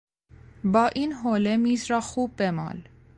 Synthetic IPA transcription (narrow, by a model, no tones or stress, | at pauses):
bɑːʔiːnɦoːlemiːzɾɑːxuːb̚ːemɑ̰ːl